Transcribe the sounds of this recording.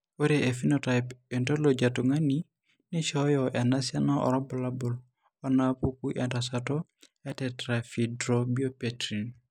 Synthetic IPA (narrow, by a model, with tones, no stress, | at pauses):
o˦ɾeʔe˨fi˦nota˨jpendo˦lo˨d͡ʒatu˨ŋa˦ni | ni˦ʃɔjɔʔɛ˨na˦sja˦na˦ʔɔ̰˨ɾɔ˦bɔla˦bʊl | ɔ˦na˦pu˦ku˦ʔɛ˨ndasatɔ | ɛ˦tɛtɾafi˨dɾobi˦o˦petɾin